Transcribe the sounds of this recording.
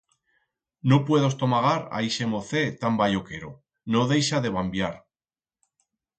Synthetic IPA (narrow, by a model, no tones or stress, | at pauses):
no̞pwe̞ðo̞st̪o̞maɣ̞aɾa̰iʃemo̞θe̞t̪ambaʎo̞ke̞ɾo | noðe̞jʃaðe̞β̞ambjaɾ